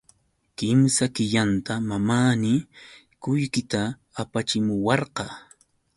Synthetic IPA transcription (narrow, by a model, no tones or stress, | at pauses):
kɪmsakɪʎant̪amamaːnɪ | kʊjkɪt̪aː | pat͡ʃɪmʊwɑɾqɑ